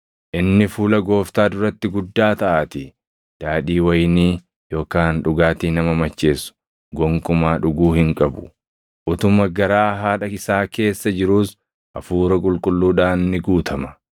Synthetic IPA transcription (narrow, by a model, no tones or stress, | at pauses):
ʔɪnːɪfuːlɐɡo̞ːft̪aːd̪ʊɾɐt̪ːɪɡʊd̪ːaːt̪ɐʔaːt̪ɪ | d̪̥aːᶑiːwɐjniː | jo̞ːkaːnᶑʊɡaːt̪iːnɐmɐmɐt͡ʃːe̞ːsʊ̥ | ɡɔŋkʼʊmaːᶑʊɡuːhɪŋkʼɐbʊ̥ | ʔʊt̪ʊmɐɡɐɾaːɦaːᶑɐɪsaːke̞ːsːɐd͡ʒɪɾuːs | ʔɐfuːɾɐkʼʊlkʼʊlːuːᶑaːnːɪɡuːt̪ʰɐmɐ̥